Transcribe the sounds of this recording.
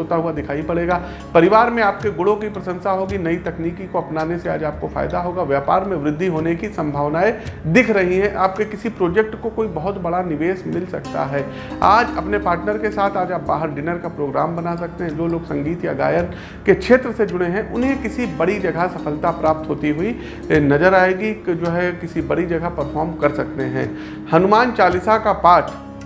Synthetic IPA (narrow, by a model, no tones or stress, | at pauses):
oːt̪aɦuad̪ɪkʰaːipɐɽeːɡaː | pɐɾɪʋaːɾmẽaːpkeɡʊɽõkipɾɐsə̃nsaɦoːɡinɐit̪ɐkniːkikoɐpnaːnesea̰ːd͡ʒaːp̚kofa̰ːɪd̪aɦoːɡaːʋjɛːpaːɾmẽʋɾɪd̪ʱːiɦoːnekisɐ̃mbʱaːʋnaːed̪ɪkʰɾɐɦiɦɛ̃ʔaːp̚kekɪsipɾoːd͡ʒɛk̚ʈkokoːibɐɦʊt̪bɐɽanɪʋeːsmɪlsɐ̰k̚t̪a̰ɦɛː | a̰ːd͡ʒɐpnepaːɾʈnəɾkesaːt̪ʰaːd͡ʒaːp̚ba̰ːɦəɾɖɪnəɾkapɾoːɡɾaːmbɐnas̬ɐk̚t̪eɦɛ̃d͡ʒoːloːɡsɐ̃ŋɡiːt̪jaɡa̰ːjəɾn | kekʰʃʰeːt̪ɾəsed͡ʒʊɽ̃eɦɛ̃ʔʊnɦẽkɪsibɐɽid͡ʒɐɡʱasɐfʰəlt̪apɾaːp̚t̪ɦoːt̪iɦʊi | nɐzəɾaːeːɡid͡ʒoːɦɛkɪsibɐɽid͡ʒɐɡʱapɐɾfʰɔːɾmkɐɾsɐkt̪eɦɛ̰̃ː | hɐnʊmaːnt͡ʃaːlɪsakapaːʈ